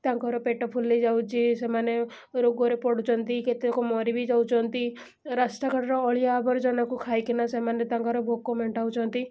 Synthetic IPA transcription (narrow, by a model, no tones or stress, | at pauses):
t̪ãŋkɔɾɔpeʈɔpʰulːid͡ʒawt͡ʃʰisemane | ɾoɡoɾepɔɽut͡ʃʰɔnt̪iket̪ikɔmɔɾibʱid͡ʒawt͡ʃʰɔnt̪i | ɾasʈakɔɽɾɔːɭijaːbɔɾd͡ʒɔnakukʰajkinasemanet̪ãŋkɔɾɔbʱokːɔmeɳʈawt͡ʃʰɔnt̪i